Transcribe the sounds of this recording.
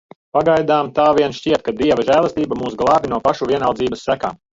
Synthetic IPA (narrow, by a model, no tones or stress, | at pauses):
paɡajd̪aːmt̪aːviɛnʃciɛt̪̚kad̪iɛvaʒæːlˠɛst̪iːbamuːsɡlˠɑːbʲinuɔpaʃuviɛnawd̪ziːbɐsːæka̰ːm